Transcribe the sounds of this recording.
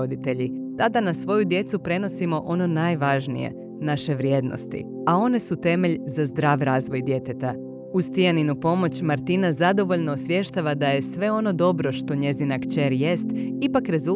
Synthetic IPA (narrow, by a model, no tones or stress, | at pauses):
od̪it̪e̞ʎit̪ad̪anasʋo̞jud̪je̞t̪supɾe̞no̞simo̞ʔo̞no̞najʋaʒnḭje̞̰ | naʃe̞ʋɾje̞ːd̪no̞̰st̪ḭ | ao̞ne̞sut̪e̞me̞ʎzazd̪ɾaːʋɾaːzʋo̞jd̪je̞t̪e̞t̪a | ust̪ijaninupo̞mo̞t͡ɕmaɾt̪inazad̪o̞ʋo̞ʎno̞ːsʋje̞ʃt̪aʋad̪aje̞sʋe̞o̞no̞d̪o̞bɾo̞ʃt̪o̞ɲe̞zinakt͡ʃe̞ɾje̞st̪ipakɾe̞zu